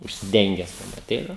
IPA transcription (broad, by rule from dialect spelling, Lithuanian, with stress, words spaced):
ʊʃʲsʲɪˈdʲɛŋʲɡʲɛs ɐˈtʲɛɪnɐ